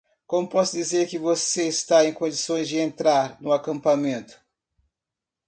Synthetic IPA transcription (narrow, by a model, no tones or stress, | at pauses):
kõmʊpɔsʊd͡ʒizeɾkɪvoseɪst̪aẽj̃kõd͡ʒisõj̃zd͡ʒɪẽnt̪ɾaɾnʊakɐ̃mpamẽnt̪ʊ̥